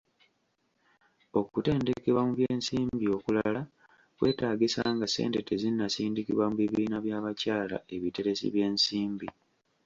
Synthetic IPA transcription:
o̞kute̞ːnde̞ke̞βwamuβjeːnsiːmbio̞kulala | kwe̞̰ːtaːɡisaːŋɡase̞̰ːnte̞tezinːasiːndikiβwamuβiβiːnaβjaːβacaːla̰e̞βite̞ɾesḭβje̞ːnsiːmbi

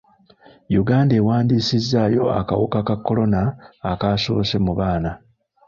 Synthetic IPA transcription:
juɡaːndeːwaːndiːsizːaːjo̞a̰ka̰wukakakːo̞lo̞naːkaso̰ːse̞muβaːna

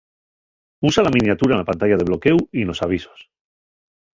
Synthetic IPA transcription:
usalamĩnjat̪uɾalapant̪aʝað̞e̞βlo̞ke̞wino̞saβ̞iso̥s

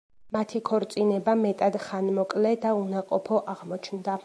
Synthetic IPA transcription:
mat̪ʰikʰɔɾt̪sʼinɛbamɛt̪ʼad̪χanmɔkʼlɛd̪aunaqʼɔpʰɔʔaʁmɔt͡ʃʰnd̪a

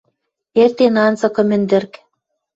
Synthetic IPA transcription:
ert̪enɑnt͡sɤ̆kɤ̆mɘ̆nd̪ɘ̆rk

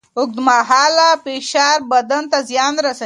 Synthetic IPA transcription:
ʊk̚d̪maːɦaːlapeːʃaːɾbɐd̪ɐnt̪azjaːnɾɐsɐ

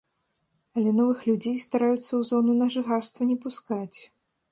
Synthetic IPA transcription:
ɐlʲɛnɔvɨxlʲud͡zʲejst̪aɾajut̪sːɐwzɔnunɐʐɨxarst̪vɐnʲɛpuskat͡sʲ

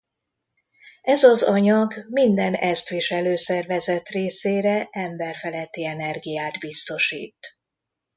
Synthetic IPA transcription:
ɛzɒzɒɲɒɡmind̪ɛnɛst̪ʋiʃɛløːsɛrvɛzɛt̪reːseːɾɛʔɛmbɛrfɛlɛt̪ːiɛnɛrɡijaːd̪bist̪o̞ʃḭːt̪

